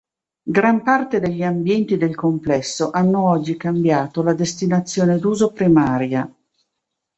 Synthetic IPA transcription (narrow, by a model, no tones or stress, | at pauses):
ɡɾampart̪ed̪eʎːiambjɛnt̪id̪elkomplɛsːoʔanːoɔd͡ʒːikambjaːt̪olad̪est̪inat̪sːjoːned̪uːzopɾimaːɾja